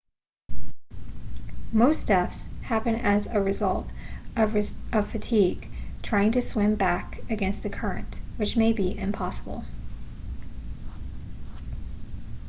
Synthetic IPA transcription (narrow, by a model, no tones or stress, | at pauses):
moʊstɛfshæpɨ̃nɨzɨɹɨzʌlˠtʌvʌv̥fɨtʰiɡ̥tʰɹ̥aɪɪ̃ŋtɨswɪ̃mbækɨɡɛ̃nst̪̚ðɨkʰɜ˞ɨ̰̃nʔwɨt͡ʃmeɪbiʔɪ̃mpʰɑsəbl̩ˠ